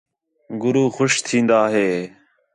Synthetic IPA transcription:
ɡʊɾuːxʊʃt̪ʰĩːnd̪aːɦeː

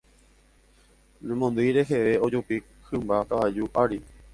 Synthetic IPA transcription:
nẽmõnd̪ɨjɾe̞ɦeʋe̞od͡ʒupi | hɨmbakaʋad͡ʒuʔaɾi

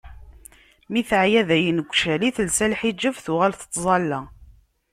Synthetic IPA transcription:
miθəʕjæðæjənəɡʷʃæliθəlsælħid͡ʒːəvθuʁælθə̥t̪ˤːzˤɑlːæ

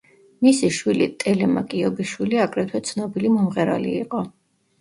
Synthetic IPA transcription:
misiʃwilit̪ʼɛlɛma̰kʼiɔbiʃwiliaɡɾɛt̪ʰwɛt̪sʰnɔbilimɔmʁɛɾa̰lḭːqʼɔ

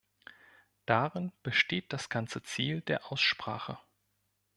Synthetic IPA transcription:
d̥aʁɪnb̥əʃteːt̚d̥asɡ̥ant͡sət͡siːldeːɐʔaʊsʃpʁ̥aːχə̰

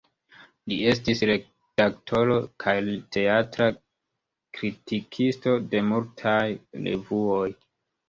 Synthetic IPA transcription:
lie̞stisɾe̞k | taktʰo̞ɾo̞kʰajlte̞atɾa | kɾitikʰisto̞de̞multʰajlḛvuo̞j

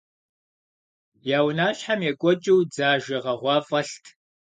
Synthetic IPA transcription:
jaːwnaːɕħamjɛkʷʼɔt͡ʃʼɪwd͡zaːʒɐʁɐʁʷɑːfʼɐɬtʰ

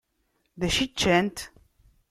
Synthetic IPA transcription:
ðæʃit͡ʃːænt̪

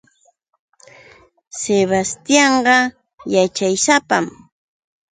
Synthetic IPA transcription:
seβast̪jɑɴɢɑ | jat͡ʃajsapam

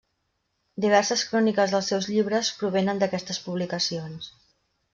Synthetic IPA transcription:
d̪iβ̞ɛrsəskɾɔnikəzðəlˠsːɛwzʎiβ̞ɾəspɾuβ̞ɛnənd̪əkɛst̪əspuβlikəsions

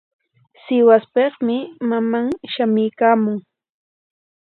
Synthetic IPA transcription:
sɪwaspeχmɪmamaŋʃamɪjkaːmʊŋ

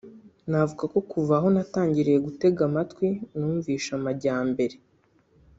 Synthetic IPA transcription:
navuɡako̞kuvaɦo̞nataːɲɟiɾeje̞ɡute̞ɡamatwinuːɱviːʃamaɟaːmbe̞ɾe̞

